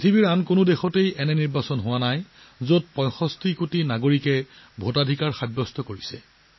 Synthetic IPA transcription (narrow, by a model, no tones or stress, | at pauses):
pitʰibiɹankonodexɔtejɛnɛniɹbasɔnɦʊwanaj | zot̚pɔ̃jxɔstʰikutinaɡoɹikɛ | bʱotadʱikaɹxabːɔstʰɔkoɹisɛ̰